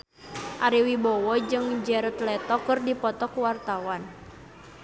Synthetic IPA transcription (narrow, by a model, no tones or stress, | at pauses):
ʔaɾiwibɔwɔd͡ʒɨŋd͡ʒɛɾət̪lɛt̪ɔkɨrdipɔt̪ɔkuwart̪awan